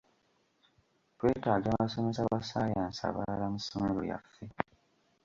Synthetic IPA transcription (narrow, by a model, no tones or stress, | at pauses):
pwe̞ːtaːɡaːmmaso̞mesaβasaːjaːnsa̰βa̰lalamusomeɾo̞̰ja̰fːe